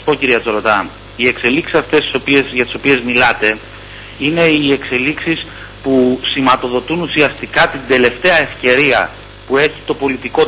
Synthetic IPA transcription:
po̞ciɾiɐt͡so̞ɾo̞t̪ɐ | ie̞kse̞liksi̥sɐft̪e̞st̪i̥sopiesʝɐt̪i̥so̞pie̞zmilɐt̪e̞ | ine̞ie̞kse̞liksis | pusimɐt̪o̞ðo̞t̪unusiɐst̪ikɐt̪ind̪e̞le̞ft̪e̞ɐe̞fce̞ɾiɐ̰ | pue̞çi̥t̪o̞po̞lit̪iko̞

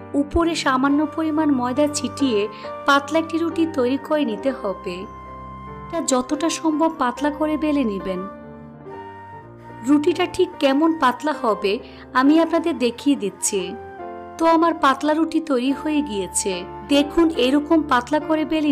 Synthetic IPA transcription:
upoɾeʃamanːopoɾimanmɔed̪at͡ɕʰiʈijepat̪laek̚ʈiɾuʈit̪ojɾikoenit̪ehɔbe | eʈad͡ʑɔt̪oʈaʃɔmbʱob̚pat̪lakoɾebeleniben | ɾuʈiʈaʈʰikːɛmonpat̪lahɔbe | amiapnad̪eɾd̪ekʰied̪it̪ːɕʰi | t̪oamaɾpat̪laɾuʈit̪ojɾihojeɡijet͡ɕʰe | d̪ekʰuneɾɔkompat̪lakoɾebele

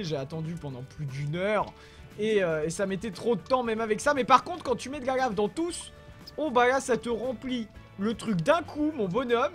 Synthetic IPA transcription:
ʒeat̪ɑ̃d̪ypɑ̃d̪ɑ̃plyd̪ynœʁ | eøesamet̪ɛt̪χod̪ət̪ɑ̃mɛmavɛksamɛpaʁkɔ̃t̪χkɑ̃t̪ymɛd̪ɡaɡavd̪ɑ̃t̪us | obalasat̪əʁɑ̃pli | lət̪χykd̪ɛ̃kʰumɔ̃bɔnɔm

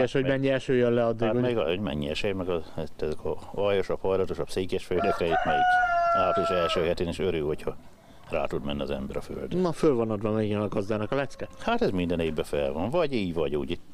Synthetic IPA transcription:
ɛʃho̞ɟmɛɲːiɛlʃøːjøllɛɒd̪ːiːɡomɛɡ̰hoɟmɛ̰ɲːiɛ̰ʃeːjmɛɡɒt̪ːɛzɛkʰɒɒjoʃɒphɒjlɒt̪oʃɒpseːkɛʃføːkɾɛit̪mɛit̪aːt̪iliʃɛlʃøːhɛt̪eːniʃøɾyːhochɒ | ra̰ːt̪ud̪mɛnːiɒ̰zɛ̰mbɛɾɒfø̰ld̪nɒfølvonɒd̪bɒmɛɡɛnɒɡɒzd̪aːnɒkɒlɛt̪skɛhat̪ɛzmind̪ɛneːbbɛfɛlvɒnvɒɟiːɟvɒɟuːɟit̪ː

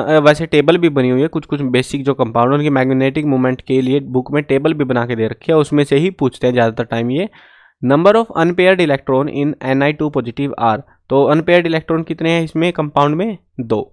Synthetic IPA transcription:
ʋɛːseʈeːbəlbʱibɐniɦuiɦɛkʊt͡ʃʰkʊt͡ʃʰbeːsɪk̚d͡ʒoːkɐ̃mpaːʊ̃ɳɖʊ̃nkimɛːɡneːʈɪkmoːmɛ̃ɳʈkeliebʊkmẽʈeːbəlbʱibɐnaːked̪eːɾɐkʰiɦɛʊsmẽseɦipuːt͡ʃʰt̪eɦɛ̃zjaːd̪at̪əɾʈaːɪmjeː | nɐ̃mbəɾɔːfɐ̰̃npeːəɾɖɪleːk̚ʈɾoːnɪ̰nɛnaːiʈuːpɔːd͡ʒɪʈɪʋa̰ːɾ | t̪oːɐnpeːəɾɖɪleːk̚ʈɾoːnkɪt̪neɦɛ̃ɪsmẽkɐ̃mpaːʊ̃ɳɖmẽ | d̪oː

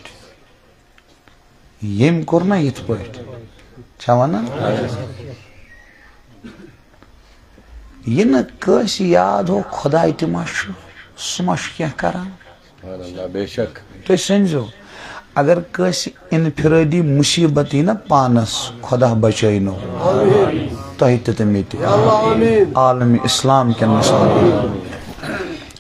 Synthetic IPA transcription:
ʈʰ | jemkuɾnɐjit̪ʰpəːʈʲʰ | t͡ʃʰɐʋɐnɐ | jinɨkəːsjaːd̪ʱoːkʰɔd̪aːjit̪imɐʃusumɐʃu̥kẽhkɐ̰ɾaːn | t̪oisɐnʲd͡ʒoː | ɐɡɐɾkəːsi | inpʰiɾəːd̪iːmusiːbɐt̪inɐpaːnɐskʰɔd̪aːbɐt͡ʃəːjnoː | t̪ɐɦit̪it̪ɐmit̪i | aːlɐmiʔislaːmkʲenːɐst̪ɐbi

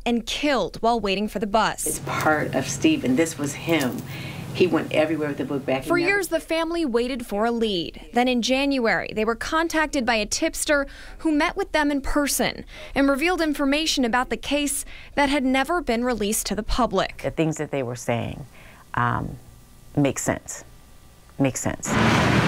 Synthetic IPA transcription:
ɨ̃nkʰɪlˠd̚waɪlˠweɪɾɪ̃ŋfə˞ðɨbʌstspʰɑɹɾʌ̰v̥stivɨ̃nðɪswʌz̥ɪ̃miwɛ̰̃ntɛ̰vɹiwɛɹwɨðɨbʊk̚b̥ækfə˞jɪɹzðɨfæ̃mliweɪɾɨdfə˞əlid̪̚ðɨ̃ɾ̃ɨ̃nd͡ʒæ̃njuɛɹḭðeɪwə˞kʰɑ̃ntʰæk̚tɨd̚baɪɨtʰɪpstə˞ | humɛʔwɨðɨ̃mɨ̃npʰɜ˞sɨ̰̃n | ʔɨ̃nɹɨvilˠdɪ̃ɱfə˞meɪʃɨ̃nɨbaʊt̪̚ðɨkʰeɪsðɨt̚ɦɨdⁿnɛvə˞bɨ̃nɹilistʰɨðəpʰʌblɪ̰kɨθɪ̃ŋzðɨt̪̚ðeɪwə˞seɪɪ̰̃ŋ | ʔ | meɪksɛ̰̃ns | meɪksɛ̰̃ns

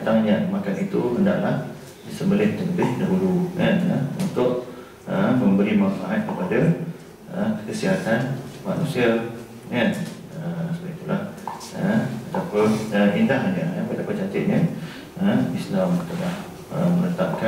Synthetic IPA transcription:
t̪aŋɲamakanit̪uəndaʔlah | disəmbəlɪtd͡ʒ̪ələbɪhdaɦulukanəṵnt̪ʊʔ | əməmbəɾimanfaʔat̪̚kəpada | əkəsiɦat̪anma̰nũsia | kan | əsəbait̪ulah | ə̰ət̪apəəʔindahlanaapət̪apat͡ʃat͡ʃəʔ̪̚ɲə | əislamut̪əlah | ə̰mənət̪ap̚ka

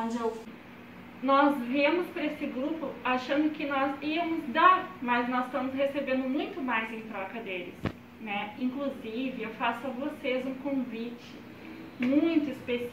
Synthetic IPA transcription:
d͡ʒew | nɔzvẽmʊspɾɐesɪɡɾupʊaʃɐ̃nd̪ʊkɪnɔziɐmʊzd̪aɾmɐznɔzst̪ɐ̃mʊshesebẽnd̪ʊmũj̃t̪ʊmajzẽj̃t̪ɾɔkɐd̪elɪ̰s | nɛĩkluzivɪewfasʊɐvosezũkõvit͡ʃɪ̥ | mũj̃t̪ʊispes

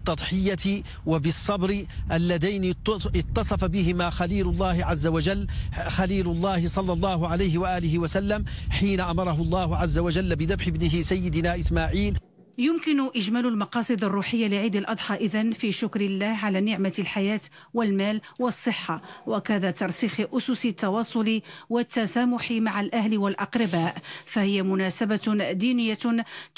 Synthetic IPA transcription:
bt̪ˤːɑd̪ˤħɪjːat̪ | wabɪsˤːɑbɾɪʔalːad̪ajnɪɪt̪ˤːɑsˤɑfabɪhɪmaxaliːlʊlˤːɑːhʕazːawad͡ʒalːxaliːlʊlˤːɑːhɪsˤɑlːɑlˤːɑːɦʊʕalajɦɪwaʔaːlɪɦɪwasalːamħiːnaʔamɑɾˤɑɦʊlˤːɑːhʊʕazːawaʒalːbɪd̪abħɪbnɪɦɪsajːɪd̪naːʔɪsmaːʕiːl | jʊmkɪnʊʔɪʒmæːlʊlmɑqɑːsˤɨd̪ɑrˤːuːħəjːalɪʕiːd̪alʔɑd̪ˤħɑʔɪðanfiʃʊkɾɪlːaːhʕalanɪʕmalħajaːt̪ | wɪlmaːlwɑsˤːɨħːawakad̪at̪ɑɾˤsiːxʔʊsʊsɪt̪ːɑwɑːsˤʊliwat̪ːasaːmʊħimaʕalʔahlɪwalʔɑqɾɪbaːʔfahɪjamʊnaːsabad̪iːnɪjːa

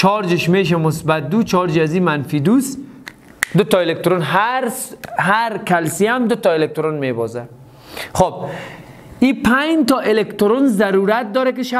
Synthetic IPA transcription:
t͡ʃʰɔɾd͡ʒɪʃmeːʃ̬ɛmʊsbat̪̚d̪ut͡ʃʰɒɾd͡ʒiazimanfid̪us | d̪ʊt̪ɔelek̚t̪ʊɾonɦaɾsɦaɾkalsijamd̪ʊt̪ɔelek̚t̪ʊɾonmebɔza | xob̚ | ipʰajnt̪ɔʔelekt̪ʊɾonzzaɾuɾat̪̚d̪ɔːɾɛk̬ɪʃa

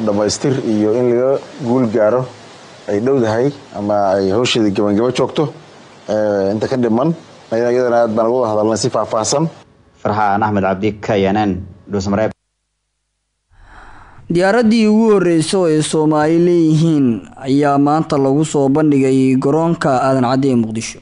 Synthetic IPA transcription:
ɖɐmɛjst̪ʰɪrijɔɪnlɐɣɐɡuːlɡaːɾɔ | ɛjɖɐwðɐɦɛjʔɐmɐɛjhɔːʃɛðiɡɐβɐŋɡɐmɐt͡ʃɔːɡt̪ʰɔ | ɛɪnt̪ʰɐkʰɐɖɪmɐn | ɐjðjɐðɐnɐaːd̪̚baːnlɣʊʊðɐhɐðɐlːɛnsɪfaːfaːhsɐn | fɪrħanɐħmɐd̪ʕɑb̚d̪ɪkʰɐjɐnɛnɖus̬mɾɛb | d̪ɪjaːɾɐðiːʊɣʊhɔrɛjsɔɛːsɔːmaːlɪlɛːjɪɦiːnɐjaːmaːnt̪ʰɐlɐɣʊsɔːbɐnɖɪɣɛjɡɔɾɔːŋkʰɐaðɐnʕɑd̪ɛjmʊqd̪ɪʃɔ̥

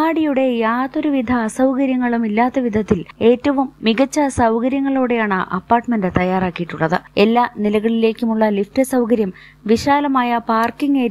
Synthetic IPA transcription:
aːɽijuɽe̞jaːt̪oɾuʋid̪ʱɐːsɐwkɐɾjɐŋːɐɭumilːaːt̪ːɐʋid̪ʱɐt̪ːile̞ːtːɐʋumːiɡɐt͡ɕːɐsɐwkɐɾjɐŋːɐɭoːɽe̞jaːɳɨʔɐ̰pːaːrʈːmendɨt̪ɐjːaːraːkːijiʈːuɭːɐðɨe̞lːaːnilɐɣɐɭile̞ːkʲːumuɭːɐliftɨsɐwkɐɾjɐm | ʋiɕaːlɐmaːjɐpaːrkiŋɡeːɾ

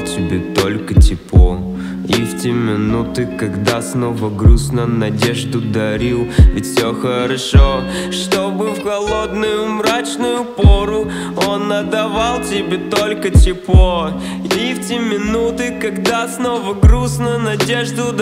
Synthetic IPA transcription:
tʲɪbʲet̪olʲkətʲɪpo | iftʲemʲɪnut̪ɨkɐɡd̪asnovəɡɾusnənɐdʲeʐd̪ʊd̪ɐɾʲilˠvʲɪtʲfʲsʲoxəɾɐʂo | ʂt̪obɨfxɐlˠod̪nʊjʊmɾat͡ɕnʊjʊpoɾʊ | onːəd̪ɐvalˠtʲɪbʲet̪olʲkətʲɪpo | iftʲemʲɪnut̪ɨkɐɡd̪asnovəɡɾusnənɐdʲeʐd̪ʊ

